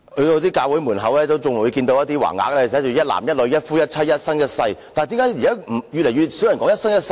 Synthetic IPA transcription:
hɵ˧ɥt̪o˧wt̪̬iː˥kaː˧wu˨˥jmuː˨˩nɦɐ˨˧˥wlɛː˥t̪o˥wt͡sʊ˨ŋwu˨˧kiː˧nt̪o˧wjɐ˥t̪iː˥wa̰ː˨˩ŋa̰ː˨˥k̚lɛː˥˨sɛː˨˥t͡ʃyː˨˩jɐ˥t̚la̰ː˨˩mjɐ˥t̚lɵ˨˧ɥjɐ˥t̚fuː˥jɐ˥t̚ʰɐ˥t̚jɐ˥t̚sɐ˥ŋjɐ˥t̚sɐ˧jt̪aː˨t̪i˨˧˥kaː˨˥ji˨kaː˥m̩˨˩jy˨lɛ˨˩jyː˨˧t̚si˨˥wjɐ˨˩nkɔː˨˥ŋjɐ˥tsɐ˥ŋjɐ˥t̚s

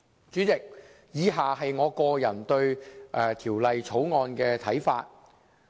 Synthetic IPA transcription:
t͡ʃyː˨˥t͡sɪ˨k̚ | jiː˨˧ɦaː˨hɐ˨jŋɔː˨˧kɔː˧jɐ˨˩nt̪ɵ˧ɥʔɛː˨˧t̪ʰiː˨˩wlɐ˨jt͡sʰo˨˥wŋɔː˧nkɛː˧t̪ʰɐ˨˥jfaː˧t̚

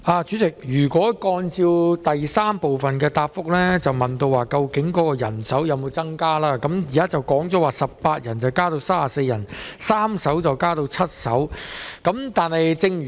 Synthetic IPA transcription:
aː˧t͡ʃyː˨˥t͡sɪ˨˩k̚jyː˨˩kwɔː˨˥kɔː˧nt͡siː˧wt̪ɐ˨jsaː˥mpo˨wfɐ˨nkɛː˧t̪aː˧p̚fʊ˥k̚lɛː˥t͡sɐ˨wmɐ˨˩nt̪o˧waː˨˩kɐ˧wkɪ˨˥ŋkɔː˨˦˥kɔː˧jɐ˨˩nsɐ˨˥wjɐ˧wmo˨˧wt͡sɐ˥ŋkaː˥laː˥kɐ˨˥mjiː˨kaː˥t͡sɐ˨wkɔː˨˥ŋt͡sɔ˨˥waː˨˩sɐ˨p̚paː˧t̚jɐ˨˩nt͡sɐ˨wkaː˥t̪o˧wsaː˥aː˨se˧jɐ˨˩nsaː˥msɐ˨˥wt͡sɐ˨wkaː˥t̪o˧wt͡sʰɐ˥t̚sɐ˨˥wkɐ˨˥mt̪aː˨nhɐ˨jt͡sɪ˧ŋy˨

